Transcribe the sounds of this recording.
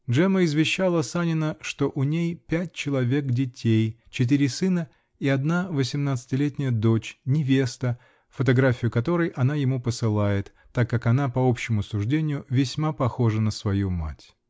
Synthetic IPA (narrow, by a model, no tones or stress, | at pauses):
dʐɛməɪzvʲɪɕːalˠəsanʲɪnəʂt̪o̞ʔʊnʲejpʲæt̚ʲt͡ɕɪlˠɐvʲe̞kdʲɪtʲej | t͡ɕɪt̪̬iɾʲɪsɨnə | iɐd̪navəsʲɪmnat̪sɨ̥tʲɪlʲetʲnʲɪjəd̪o̞t͡ɕnʲɪvʲe̞st̪ə | fət̪ɐɡɾafʲɪjʊkɐt̪o̞ɾɨjʔɐn̪ajɪmupəsɨlˠajɪt̪ːakːakɐnapɐo̞pɕːɪmʊsʊʐdʲenʲɪjʊvʲɪsʲmapɐxo̞ʐənəsvɐjuma̰tʲ